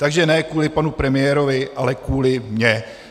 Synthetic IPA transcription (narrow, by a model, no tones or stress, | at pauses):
t̪aɡʒɛnɛːkuːlɪpanupɾɛmɪjɛːɾo̞vɪʔalɛkuːlɪmɲɛ